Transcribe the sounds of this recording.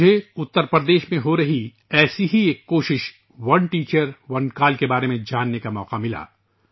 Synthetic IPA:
eʊt̪ːəɾpɾəd̪eːʃmẽɦoɾɐɦi | ɛːsiɦieːkːoːʃɪʃ | ʋɐnʈiːt͡ʃəɾʋɐnkaːlkebaːɾemẽd͡ʒaːnːekamɔ̰ːqamɪla̰ː

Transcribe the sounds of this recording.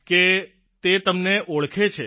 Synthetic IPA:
ke | t̪et̪əmneʔoɭkʰet͡ʃʰe

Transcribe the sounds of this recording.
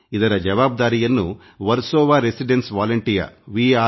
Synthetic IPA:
id̪ɐɾɐd͡ʒɐʋaːb̚d̪aːɾijɐnːu | ʋɐɾsɔːʋaːɾesiɖensʋaːlɐɳʈijɐ̰ʋiːaː

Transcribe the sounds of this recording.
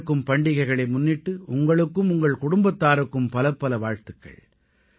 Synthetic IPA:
kːɯmpɐɳɖɪɣɐɪɣɐɭɐɪmʊnːɪʈːɯʊŋɡɐɭɯkːɯmʊŋɡɐɭkʊɽʊmbɐt̪ːaːɾɯkːɯmpɐlɐpːɐlɐʋaːɻt̪ɯkːɐ̰ɭ

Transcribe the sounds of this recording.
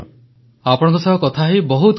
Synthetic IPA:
apɔɽ̃ɔ̃ŋkɔsɔɦɔkɔt̪ʰaɦibɔɦut̪

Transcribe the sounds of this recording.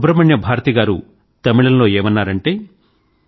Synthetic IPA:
bɾɐmɐɳjɐbʱaːɾɐt̪iɡaːɾu | t̪ɐmiɭɐnlo̞ːeːmɐnːaːɾɐɳʈe̞ː

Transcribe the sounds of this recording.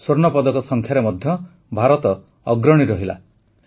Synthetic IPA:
soɾnɔpɔd̪ɔkɔsɔŋkʰjaɾemɔd̪ʱjɔ | bʱaɾɔt̪ɔː | ɡɾɔɽ̃iɾɔɦila̰

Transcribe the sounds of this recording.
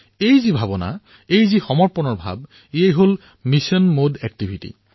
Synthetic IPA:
ejzibʱabɔna̰ | ejzixɔmɔɹpɔnɔɹbʱa̰b | iejɦol | misɔnmodɛk̚tibʱitḭ

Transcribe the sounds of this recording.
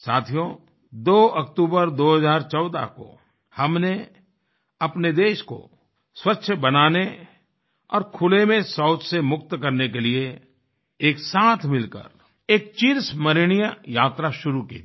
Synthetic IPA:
saːt̪ʰijõ | d̪oːɐkt̪uːbəɾd̪oːɦəzaːɾt͡ʃɔʊd̪a̰ko̰ | hɐmne | ɐpned̪eːʃko̰ | swətːʃʰəbɐnaːne | ɔ̰ːɾkʰʊlemẽsɔːʊt͡ʃsemʊk̚t̪kɐɾnek̬elie | eːksaːt̪ʰmɪlkə̰ɾ | eːk̚t͡ʃiːɾsmɐɾɪɽ̃ijəjaːt̪ɾaʃʊɾukḭ

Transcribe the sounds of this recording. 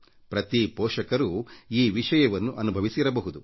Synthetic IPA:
pɾɐt̪ipɔːʂɐkɐɾuiːʋiʂɐjɐʋɐnːuʔɐnubʱɐʋisiɾɐbɐɦud̪u

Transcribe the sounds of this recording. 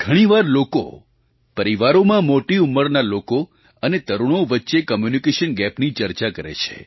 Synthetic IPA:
ɡʱəɽ̃iʋaɾloko̰ | pəɾiʋaɾomãmoʈiumːəɾnaloko | ənet̪əɾuɽ̃oʋətːʃekəmjunikeʃənɡɛpnit͡ʃəɾt͡ʃakəɾḛt͡ʃʰḛ

